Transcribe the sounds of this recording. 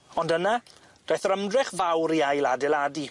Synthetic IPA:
ɔndəna | d̥ajθɾəmdrɛχvawɾiajlˠadɪladi

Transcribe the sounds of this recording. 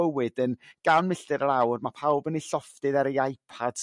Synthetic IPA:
əwɨd̥ənɡ̥awnmɪɬtɨɾəɾawrmapʰawbəniɬɔfdɨðɛɾəjajpʰad̥

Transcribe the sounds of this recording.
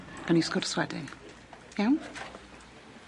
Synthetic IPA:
əniskʊrswɛdɪ̰ŋ | jawn

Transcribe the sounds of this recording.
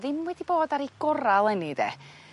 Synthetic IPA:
ðɪmwɛdiboːdaɾiɡ̥ɔɾalˠɛnidḛ

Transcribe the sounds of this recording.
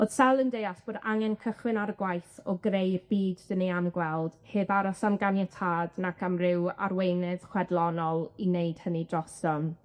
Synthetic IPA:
oð̥sɛlˠəndejasb̥oːdaŋɛnkʰəχwɪnaɾəɡwajθɔɡrejrbiːddənejamɡwɛlˠd̥hɨːbaɾɔsamɡanjatʰaːdnakʰamrɪwa̰rwejnɨð̥χwɛdlˠɔnɔlˠinejd̥hənidrɔstɔn

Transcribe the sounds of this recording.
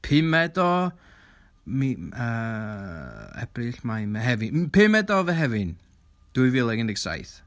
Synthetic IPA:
pʰɪmɛdɔ | miə | ɛ̰b̥rɨɬmajmɛɦɛvɨpʰɪmɛdɔvɛɦɛvɨn | d̥uɨvɪlˠɛɡəndɪɡsa̰jθ

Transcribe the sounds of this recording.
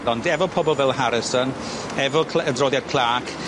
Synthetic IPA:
ɔndɛvɔpʰɔbɔlˠvɛlˠhaɾɪsɔn | ɛvɔkʰədroːðjad̥̚kʰl̥ˠaːkʰ

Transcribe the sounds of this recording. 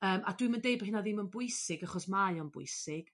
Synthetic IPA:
əːmadwɨməndejbəɦɪnaðɪmənbʊɨsɪɡaχɔsmajɔnbʊ̰ɨsɪɡ̥

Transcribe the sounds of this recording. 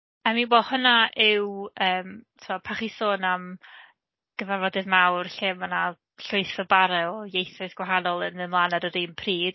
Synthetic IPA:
aminbɔhʊnaʔɪwəːmtʰɔpʰaχisoːnam | ɡ̥əvɛrvɔdɨðmawrɬɪmana | ɬʊɨθɔbaɾɛɔjejθɔɨsɡ̥waɦanɔlˠənðɨnlˠanadəɾinpʰriːd̥

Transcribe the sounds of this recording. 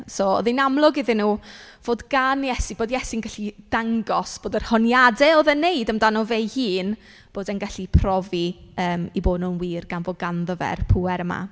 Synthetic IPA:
sɔɔ̰ðɪnamlˠʊɡɪðɪnuːv̥oːdɡanjɛsib̥oːdjɛsinɡaɬid̥aŋɡɔsb̥oːdərhɔnjadɛoðɛneɨdəmdanɔvejhiːn | b̥oːdɛnɡaɬipʰrɔviəːmiboːdnuːənwiːrɡanvoːdɡanðəvɛ̰rpʰuːɛɾəma̰

